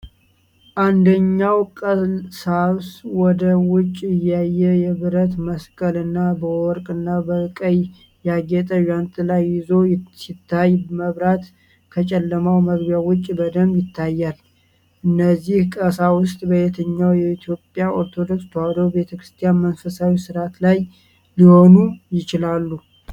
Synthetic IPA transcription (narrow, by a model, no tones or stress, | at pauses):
ʔand̪əɲːawkʼəsaswɔd̪əwʊt͡ʃʼːɪjajːɛjɛβɨɾət̪məskʼəlɨnːabəwɔɾkʼɨnːabəkʼəj | jaɡet̪ʼəjant̪ʼɨlajːɪzo̞sit̪ʰːajməβɾat̪ | kʰət͡ʃʼɛlːəmawməɡbjawʊt͡ʃʼːbəd̪əmjɪt̪ʰːajːal | ʔɨnːəzːihkʼəsawʊst̪ʼbəjet̪ʰəɲːawjɛit̪ʰjo̞pʼjaʔoɾt̪ʰo̞d̪o̞kst̪ʰəwad̪əwbe̞t̪ʰəkɾɨst̪ʰijanmənfəsawisɨɾat̪laj | liho̞nujɪt͡ʃɪlalːu